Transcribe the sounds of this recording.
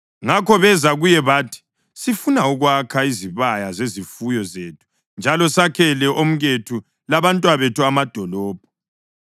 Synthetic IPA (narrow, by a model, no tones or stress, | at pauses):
ŋakʰɔβɛzaɣujɛβaːtʰi̥ | sifunauɣwakʰaiziβajazezifujɔzeːtʰu̥ | nd͡ʒʱalɔsakʰɛlɛʔom̩ɣetʰu | laβantʼwaβetʰuamad̥ʱɔlɔːb̥̚ʱɔ̥